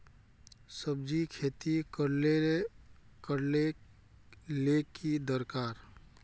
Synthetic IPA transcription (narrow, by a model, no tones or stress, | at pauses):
səb̚d͡ʒikʰeːt̪ikəɾleekəɾle | lekid̪əɾkaːɾ